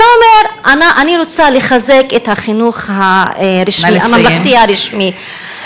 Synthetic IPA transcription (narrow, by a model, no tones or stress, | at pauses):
aomeɾanaʔaniɾot͡saleχazeket̪haχinuχhaɾiʃiamamlaχt̪iaɾiʃmi